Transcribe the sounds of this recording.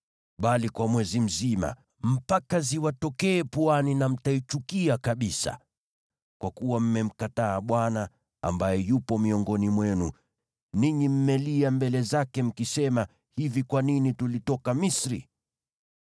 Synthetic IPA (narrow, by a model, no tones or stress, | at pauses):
ɓalikwamwɛzim̩zima̰ | m̩pakaziwatɔkɛːpuaninam̩tait͡ʃukiakaɓisa̰ | kwakuwam̩mɛm̩kataːɓwana | a̰mbajɛjupɔmiɔŋɡɔnimwɛnṵ | niɲim̩mɛliambɛlɛzakɛm̩kisɛma | hivikwaninitulitɔkamisɾḭ